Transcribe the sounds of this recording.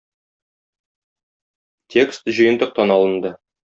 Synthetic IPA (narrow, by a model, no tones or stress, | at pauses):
t̪ʲʰe̞kst̪ʑɤ̆jɤ̆nd̪ɤq̚t̪ɑnɒlˠə̆nd̪ɤ